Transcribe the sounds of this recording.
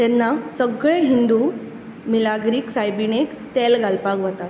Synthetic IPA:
t̪ɛnːasəɡɭeɦind̪u | milaɡɾiːksajbiɳekt̪ɛlɡalpakʋət̪at̪̚

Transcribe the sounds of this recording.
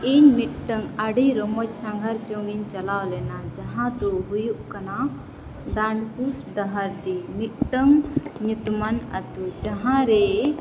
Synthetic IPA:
iɲmit̪̚ʈəŋaɖijɾɔmɔt͡ʃsãŋɡʱaɾd͡ʒɔŋiɲt͡ʃalawlɛnad͡ʒaɦãd̪ɔɦujuʔkana | ɖaɳɖkusɖəɦaɾd̪imit̪̚ʈəŋɲut̪mana̰t̪ud͡ʒaɦãɾɛ

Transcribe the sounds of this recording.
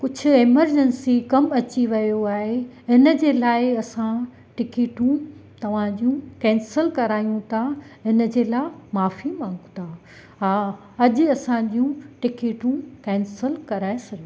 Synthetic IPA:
kʊd͡ʑʰʱʊ̆eːməɾd͡ʑənsikɐmɐt͡ɕiʋɐjoaːɦeɪnə̆d͡ʑeːlaːɪɐsã | ʈɪkeːʈũt̪ɐʋ̤ãd͡ʑiũkɛ̃ːnsəlkɐɾaːijũt̪ʰaɦɪnə̆d͡ʑeːlaːɪmaːfimãːŋɡt̪ʰa | ɦaː | ɐd͡ʑʊ̆ɐsãd͡ʑiũʈɪkeːʈũkɛ̃ːnsəlkɐɾaːesɐɡij̃

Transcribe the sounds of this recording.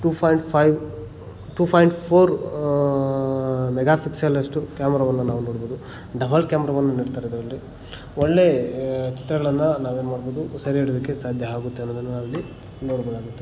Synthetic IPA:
ʈuːpʰaːjɳʈpʰɐjʋ | ʈuːpʰaːjɳʈpʰoːɾ | mɛɡaːpʰiksɐlɐʂʈukʲaːmɛɾaːʋɐnːɐnaːʋunoːɽboːd̪u | ɖɐbʱɐlkʲaːmɐɾaːʋɐnːɐniːɽt̪aːɾed̪ɐɾɐlːi | oɭːe̞t͡ʃi̥t̪ɾɐɡɐɭɐnːɐnaːʋeːnumaːɽboːd̪usɐɾieɽɐd̪ɐkːesaːd̪ʱjɐɦaːɡut̪ːeɐnːod̪ɐnːuɐlːi | noːɽbɐɡaːɡut̪ːe

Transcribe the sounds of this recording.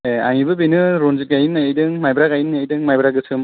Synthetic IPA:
ea̰ŋibɯbinɯɾonziɡajinːajidɯŋmajbɾakajinːajdɯŋmajbɾaɡɯsʰɯm

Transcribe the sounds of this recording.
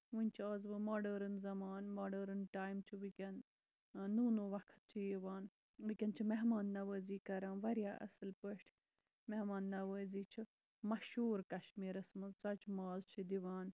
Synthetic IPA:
ʋunʲt͡ʃʰiaːzʋɨmaːɖəːɾɨnzɐmaːnmoːɖɐːɾɨnʈaːjmt͡ʃʰiʋikʲɐnː | uːnoʋɐkʰt̪̚t͡ʃʰijiʋaːn | ʋikʲɐnt͡ʃʰimeɦmaːnːɐʋəːziːkɐɾãːnʋɐɾijaːʔɐ̰sɨlpəʃʈʰ | mehmaːnːɐʋəːziːt͡ʃʰi | mɐʃuːɾkɐʃmiːɾɐsmɐt͡sɐt͡ʃmaːzt͡ʃʰid̪iʋaːn

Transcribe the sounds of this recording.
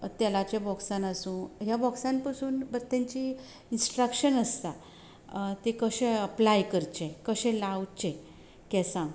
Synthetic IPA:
t̪ɛlat͡ɕẽbɔksãnasũːɦjabɔksãnpəsuːnbəɾt̪ãɲt͡ɕiː | insʈɾəkɕənəst̪a | t̪ekəɕẽəplajkəɾt͡ɕẽkəɕɛ̃lawt͡ɕe | kɛsãŋɡ

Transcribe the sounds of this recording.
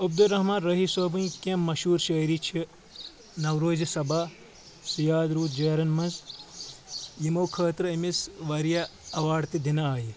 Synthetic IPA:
ɐb̚d̪ulɾɐɦmaːnɾɐɦisoːbũkẽmːɐʃuːɾʃɐːɾit͡ʃʰi | nɐwɾoːzɐsɐba | sijaːd̪ɾuːt̪̚d͡ʒɐːɾɐnmɐnz | jimoːkʰɐːt̪ɾɐimisʋɐɾijaɐʋaːɖt̪id̪inaaːji

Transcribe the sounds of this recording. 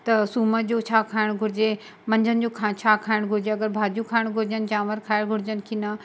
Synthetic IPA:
t̪ɐsuːməd͡ʑoːt͡ɕʰaːkʰaːɪɽ̃ɡʱʊɾɪd͡ʑe | mɐ̃ɲd͡ʑʱənɪ̆d͡ʑoːkʰat͡ɕʰaːkʰaːɪɽ̃ɡʱʊɾɪd͡ʑeɐɡəɾbʱaːd͡ʑukʰaːɪɽ̃ɡʱʊɾɪd͡ʑənɪ̆d͡ʑaːʋəɾkʰaːɪɽ̃ɡʱʊɽɪd͡ʑənɪ̆kʰina

